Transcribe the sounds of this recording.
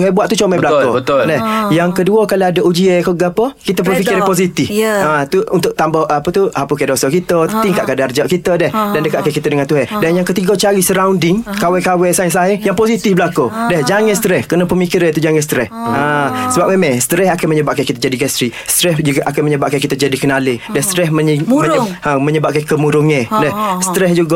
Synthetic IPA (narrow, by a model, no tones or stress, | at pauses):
tuɦɛbuaʔt̪ut͡ʃomɛbəlakobət̪ldɛhjaŋkəduəkaloadəʔud͡ʒiəkoɡapəkit̪əp̬əfikiɾɛpos̬it̪ifat̪uunt̪ʊʔ̚t̪ambɔhʔapət̪uapukadosɔkit̪ət̪iŋkaʔkadard͡ʒaʔkit̪ədɛhdandəkaʔkakit̪ədəŋant̪uɦɛdanjaŋkət̪iɡot͡ʃaɾisəɾawndɪŋkawɛkawɛsaesaɦejaŋposit̪ifbəlakodɛhd͡ʒaŋə̃st̪ɾɛhkənapəmikiɾant̪ud͡ʒaŋəs̬t̪ɾɛhasəbap̚memɛst̪əɾɛɦakanməɲəbaʔ̚kankit̪əd͡ʒadiɡɛst̪ɾist̪ɾɛhd͡ʒuɡaʔakanməɲəbaʔ̚kankit̪əd͡ʒadikənaledɛst̪ɾɛsməməaməɲəbaʔ̚kankəmuɾuŋedɛhsə̥t̪əɾɛhd͡ʒuɡa